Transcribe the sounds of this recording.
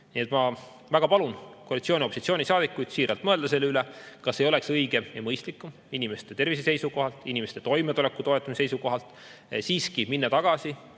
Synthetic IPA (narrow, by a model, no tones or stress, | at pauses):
niet̪mɑ | væɡ̥ɑpɑlunkoɑlit̪sioːnʲio̞pːˑosit̪sioːnʲisɑːd̪ikːˑujd̪̥siːɾɑlt̪mɤe̞ld̪̥ɑse̞lːeylɛkɑsːe̞jo̞le̞ksɤjɡ̥eemɤjst̪likːˑum | inime̞st̪e̞t̪e̞rvisese̞jsuko̞ɦɑlt̪ˑinʲime̞st̪e̞t̪o̞jmet̪ulekːˑut̪o̞et̪ːˑɑmise̞jsuko̞ɦɑlt̪ˑ | siːskiminːɑt̪ɑɡ̥ɑsi